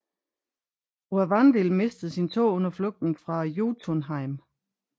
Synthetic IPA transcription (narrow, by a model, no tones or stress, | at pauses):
uæʋɑnd̥ilme̝sd̥ð̩ˠsint͡sʰo̝̰ːɔ̽nɐflɔ̽ɡ̥̚d̥n̩fʁɑ̈joːt͡sʰonɦɑ̈ɪm